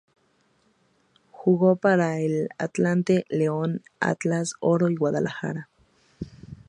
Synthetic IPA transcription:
xuɣopaɾaela̰t̪lant̪eleona̰t̪asoɾoiɣwaðalʔaxa̰ɾa

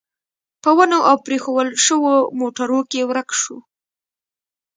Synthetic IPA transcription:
pəwanoʔawpɾexowəlʃəwomoʈaɾokewɾəkʃu

